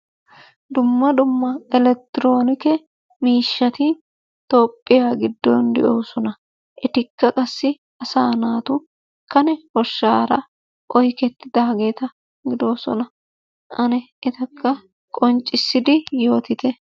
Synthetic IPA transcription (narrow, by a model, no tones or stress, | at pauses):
d̪ʊmːɐd̪ʊmːɐɛlɛk̚t̪ːɪɾo̞ːnɪkɛ | miːʃːɐt̪ɪ | t̪o̞ːpʼːɪjaːɡɪd̪ːɔnd̪ɛ̰ʔoːsɔnɐ | ʔɛt̪ɪkːɐkʼɐsːɪ | ɐsaːnaːt̪ʊ | kɐnɛhɔʃːaːɾɐ | ʔɔjkɛt̪ːɪd̪ɐhɐɡe̞ːt̪ɐ | ɡɪd̪o̞ːsɔ̰nɐ | ʔɐnɛʔɛt̪ɐkːɐ | kʼɔnt͡ʃʼːɪsːɪd̪ɪjo̞ːt̪ɪt̪ɛ